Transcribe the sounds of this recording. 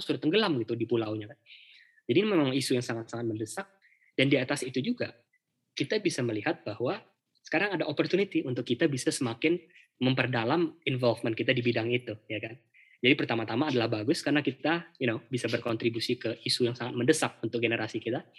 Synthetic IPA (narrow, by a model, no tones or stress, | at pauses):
suɾat̪ːəŋɡəlamɡit̪udipulawɲakan | d͡ʒadimemaŋisujaŋsaŋat̪saŋat̪̚məndəsak̚ | d̥andiat̪asit̪ud͡ʒuɡa | kit̪abisaməliɦat̪̚bahwa | sə̥kaɾaŋadaʔopɔrt̪unit̪iʔunt̪ʊkːit̪abisasəmakɪn | məmpərdalaminvɔlfmənkit̪adibidaŋit̪ujakan | d͡ʒadipərt̪amat̪amaːdalahbaɡʊskarənakit̪ainobisabərkɔnt̪ɾibusikəisujaŋsaŋat̪̚məndəsak̚unt̪ʊk̚ɡenəɾʔasikit̪a